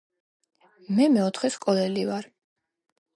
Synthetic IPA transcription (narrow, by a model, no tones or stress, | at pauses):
mɛmɛɔt̪ʰχɛskʼɔlɛlivaɾ